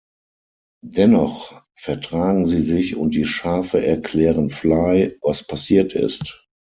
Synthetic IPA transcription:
dɛnɔχ | fɛɐtʁ̥aːɡŋ̩ziːzɪçʊ̰nt̚d̥iːʃaːfəʔɛɐkʰl̥ɛːʁənflaɪvaspʰasiːɐtɪ̰st

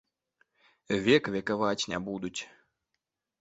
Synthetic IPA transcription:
vʲɛkvʲɛkavat͡sʲnʲɛ̰bud̪ut͡sʲ

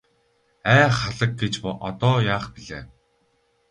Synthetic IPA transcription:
æːχaɮə̆k̚ɡet͡ɕpʔɔt̪ɔːjaːχpiɮeː

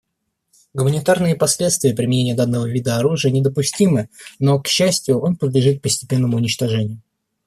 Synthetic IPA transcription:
ɡʊmənʲɪt̪arnɨjəpɐsʲlʲe̞t̪st̪vʲɪjəpɾʲɪmʲɪnʲenʲɪjəd̪anːəvəvʲid̪əɐɾuʐɨjənʲɪd̪əpʊsʲtʲimɨno̞kɕːæsʲtʲjʊo̞npəd̪lʲɪʐɨt̪̚k̚pəsʲtʲɪ̥pʲe̞nːəmʊːnʲɪt͡ɕt̪ɐʐɛnʲɪjʊ

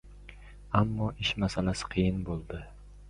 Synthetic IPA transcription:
amːɒʔɪʃmasalasɪ̥qʰɨjɪnbolˠd̪ɪ

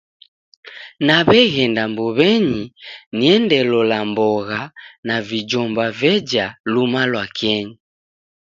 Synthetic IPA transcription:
naβɛɣɛndambɔβɛɲiniɛndɛlɔlambɔɣanavid͡ʒɔmbavɛd͡ʒalumalwakɛɲi

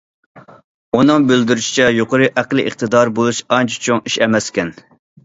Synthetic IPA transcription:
unɨŋbøld̪yɾyʃi̥t͡ʃʰɛjoqəɾɨʔæqlˠɨ̰ʔḭχt̪ɨd̪ɑɾbolˠuʃɑnt͡ʃʰɛ̥t͡ʃʰoŋiʃɛmɛskʲɛn

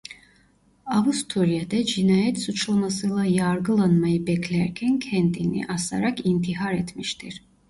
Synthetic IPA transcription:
avust̪ʰuɾjad̪ɛd͡ʒinaːjɛt̪sut͡ʃlˠamasɯjlˠajaɾɡɯlˠanmajɯbɛcʰlʲæɾcʲʰæncʰɛnd̪inḭʔasa̰ɾakint̪ʰiɦaɾɛt̪miʃt̪ʰiɾ̥

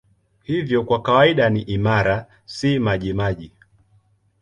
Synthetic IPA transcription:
hivjɔkwakawaiɗaniʔimaɾa | simaʄimaʄi

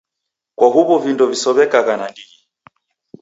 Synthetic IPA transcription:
kwaɦuβɔvindɔvisɔβɛkaɣanandii

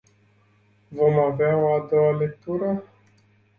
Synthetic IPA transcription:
vo̞maveaoad̪o̞walek̚t̪uɾə

